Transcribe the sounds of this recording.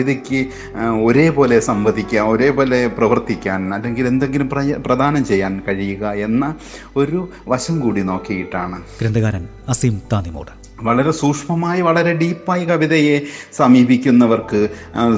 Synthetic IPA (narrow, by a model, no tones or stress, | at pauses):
iðekʲːɨ | o̞ɾe̞ːpo̞ːle̞sɐmbɐd̪ʱikʲːaːno̞ɾe̞ːpo̞ːle̞prɐʋɐrt̪ikʲːaːnɐlːe̞ŋɡile̞nd̪e̞ŋɡilumprɐprɐd̪ʱaːnɐmt͡ɕe̞jːaːnkɐɻijuɣɐe̞nːɐ | o̞ɾu | ʋɐɕɐmkuːɽino̞ːkːijiʈːaːɳɨɡɾend̪ɐɣaːɾɐn | ɐsiːmt̪aːnimo̰ːɽɐ | ʋɐɭɐɾe̞suːkʂmɐmaːjiʋɐɭɐɾe̞ɖiːpːaːjikɐʋiðɐje̞sɐmiːbʱikʲːunːɐʋɐrkɨ